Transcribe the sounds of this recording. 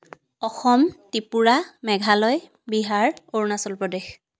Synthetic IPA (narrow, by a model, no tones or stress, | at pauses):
ɔxɔmtipuɹamɛɡʱalɔj | biɦaɹoɹnasɔlpɹɔdex